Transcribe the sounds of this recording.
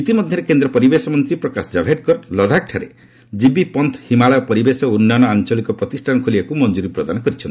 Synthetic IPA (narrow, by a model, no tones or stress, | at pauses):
it̪imɔd̪ʱjɔɾekend̪ɾɔpɔɾibesɔmɔnt̪ɾipɾɔkasd͡ʒabʱeʈ̚kɔɾlɔd̪ʱak̚ʈʰaɾe | d͡ʒibipɔnt̪ʰhimaɭɔjɔpɔɾibesɔunːanɔant͡ʃɔlikɔpɾɔt̪isʈʰanɔkʰolibakumɔnd͡ʒuɾipɾɔd̪anɔkɔɾit͡ʃʰɔni